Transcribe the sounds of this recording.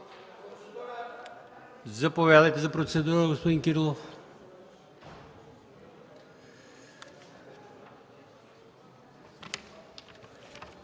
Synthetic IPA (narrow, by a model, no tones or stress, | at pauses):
zɐpovɛd̪ɐjt̪ɛzɐpɾot̪sɛd̪uɾəɡospod̪iŋkiɾlˠof